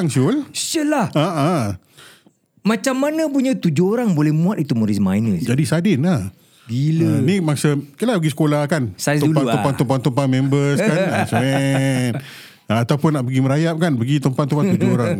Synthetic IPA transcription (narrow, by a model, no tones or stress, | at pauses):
aŋsʊlsəlahaʔa | mãt͡ʃamːanə̃puɲə̃t̪ud͡ʒʊoɾaŋbolɛhmũat̪̚it̪umoɾisma̰jnəsd͡ʒadisadɪna | dilənĩmaŋsəkəlabəɡisə̥kolahkansat̪upant̪upant̪umpant̪umpamɛ̃mbəskanasmɛ | aat̪awpʊnːaʔpəɡiməɾajap̚kanpəɡit̪əmpat̪umpant̪ud͡ʒʊoɾaŋ